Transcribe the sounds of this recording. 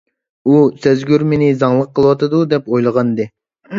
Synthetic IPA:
usæzɡʲyɾmɪnɪzɑŋlˠəqʰːəlˠɨwɑt̪ɨd̪ud̪ɛpojlˠəʁɑnd̪ɨ

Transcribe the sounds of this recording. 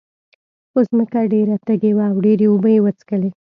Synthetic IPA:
xozməkaɖeɾat̪aɡewaːwɖeɾeʊbəjewət͡skəle

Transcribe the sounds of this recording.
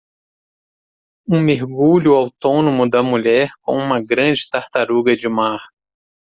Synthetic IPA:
ũmeɾɡuʎʊawt̪õnõmʊd̪ɐmuʎɛɾkõ̰ũmɐɡɾɐ̃d͡ʒɪt̪aɾt̪aɾuɡɐd͡ʒɪmaɾ

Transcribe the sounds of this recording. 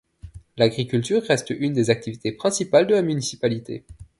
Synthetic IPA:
laɡʁikʲylt̪yʁːɛst̪ynd̪ezak̚t̪ivit̪epχɛ̃sipald̪əlamynisipalit̪ḛ

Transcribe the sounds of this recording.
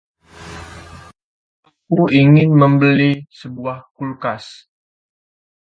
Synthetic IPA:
kuiŋɪnməmbəlisəbuahkulkas

